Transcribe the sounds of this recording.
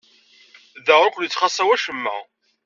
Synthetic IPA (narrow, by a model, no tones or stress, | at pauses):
ðəʁɾˤʊkʷljət͡sːχɑsˤæwæʃəmːə̰